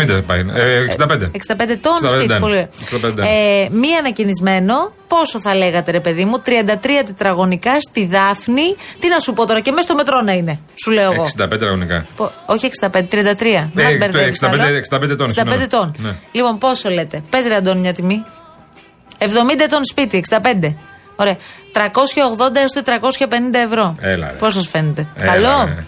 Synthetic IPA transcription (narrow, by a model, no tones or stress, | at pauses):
id̪ɐpɐksind̪ɐpend̪eeksind̪ɐpend̪et̪o̞nssipoliksid̪ɐped̪emiɐnɐcinizme̞no̞po̞so̞θɐle̞ɣɐt̪eɾe̞pe̞ðimut̪ɾiɐnd̪ɐt̪ɾiɐt̪et̪ɾɐɣo̞nikɐst̪iðɐfnit̪inɐsupo̞t̪o̞ɾɐce̞mest̪ome̞t̪ɾo̞nɐine̞ | suleoɐɣosd̪ɐped̪et̪ɾɐɣonikɐ̰poo̞çieksind̪ɐpend̪t̪ɾiɐnd̪ɐt̪ɾiɐmɐsbeɾðseksɐnd̪et̪onnd̪ɐend̪et̪o̞nlipo̞npo̞sole̞t̪e̞pe̞ziɾɐnd̪o̞nmɲɐt̪imi | evðo̞mind̪ɐet̪o̞nspit̪ieksid̪ɐpe̞nd̪e̞ | o̞ɾeɐt̪ɾɐko̞sçɐoɣðo̞nd̪ɐst̪ot̪et̪ɾɐko̞sçɐpe̞nind̪ɐevɾo̞elɐ̰po̞s̬ɐsfe̞net̪e̞kkɐlo